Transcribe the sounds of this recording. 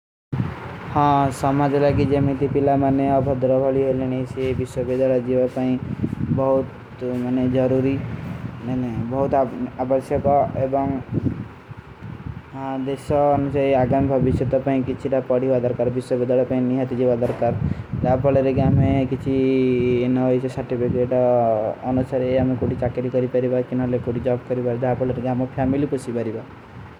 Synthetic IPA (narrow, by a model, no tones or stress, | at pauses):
hãsɔmad͡ʒelakid͡ʒemit̪ipilamaneɔbʱɔd̪ɾɔbʱɔɭiɦeliniisebiswɔbid̪aɭad͡ʒiʋapaĩbɔɦut̪ | maned͡ʒɔɾuɾi | nebɔɦut̪abəsjɔkɔebɔŋ | d̪esɔːnusaiaɡamibʱɔbisjɔt̪ɔpaĩkit͡ʃʰiʈapɔɽibad̪ɔɾkaɾbiswobed̪aɭɔpaĩniɦat̪id͡ʒibad̪ɔɾkaɾd͡ʒapɔɭɔɾeɡamekit͡ʃʰi | nɔɦɔjt͡ʃɔsaɾʈipʰikeʈɔːnusaɾeamekuɽit͡ʃakeɾikɔɾipaɾibakunɔɦɔlekuɽid͡ʒɔbkɔɾibad͡ʒapɔɭɔɾeɡamɔpʰamilipusibaɾiba